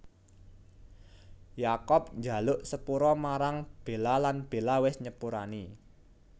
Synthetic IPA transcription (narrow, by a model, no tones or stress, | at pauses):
jakɔp̚ɲd͡ʒa̤lʊʔsəpuɾɔmaɾaŋb̥e̤lalanb̥e̤lawɪsɲəpuɾa̰ni